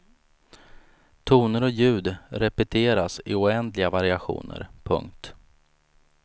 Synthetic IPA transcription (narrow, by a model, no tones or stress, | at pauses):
t̪ʰuːnəɾɔjʉ̟ːd̪ɾɛpɛt̪ʰeːɾasɪʊɛnd̪lɪɡavaɾɪaɧṵːnə̰ɾpʰɵ̰ŋkt̪